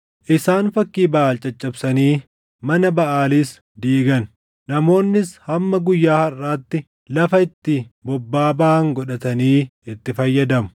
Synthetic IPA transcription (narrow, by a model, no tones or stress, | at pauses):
ʔɪsaːnfɐkːiːbɐʔaːlt͡ʃʼɐt͡ʃʼːɐbsɐniː | mɐnɐbɐʔaːliːs | d̪iːɡɐn | nɐmo̞ːnːɪshɐmːɐɡʊjːaːhɐrːaːt̪ːɪ | lɐfɐɪt̪ːɪbɔbːaːbaːŋɡɔᶑɐt̪ɐniːɪt̪ːɪfɐjːɐd̪ɐmʊ̥